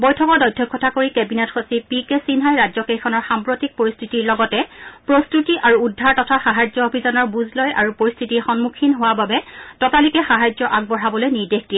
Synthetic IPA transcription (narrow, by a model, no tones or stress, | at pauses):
bɔjtʰɔkɔɹdɔjtʰːɔkʰːɔtʰakoɹikɛbinetxosipikesinɦajɹazɔkejkʰɔnɔɹxampɹotik̚poɹistʰitiɹlɔɡɔtɛpɹostutiʔaɹuudʱːaɹtɔtʰaxaɦajzɔobʱizɔnɔɹbuzlɔjaɹupoɹistʰitixɔnmukʰinɦowababɛtɔtalikɛxaɦajd͡ʒɔʔaɡ̚bɔɹabɔlojniɹdexd̥ijɛ